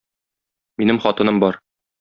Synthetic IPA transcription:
minɘmχɒt̪ɤ̆nɤmbɒɾ

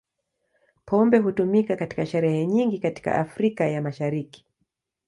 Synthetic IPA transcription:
pʰɔmbɛɦutumikakati̥kaʃɛɾɛhɛɲiŋɡikati̥ka̰ʔafɾikajamaʃaɾiki̥

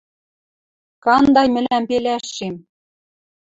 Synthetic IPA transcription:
kɑnd̪ɑjmɘ̆læmpelæʃːem

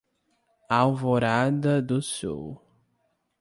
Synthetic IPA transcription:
awvoɾad̪ɐd̪ʊsṵw

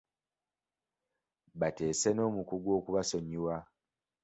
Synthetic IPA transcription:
bate̞ːseno̞ːmukuɡwo̞ːkuβaso̞ɲiwa

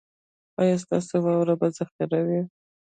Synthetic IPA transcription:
ɑjɑs̬t̪ɑ̰sewɑwɾabazaxt̪aɾawi

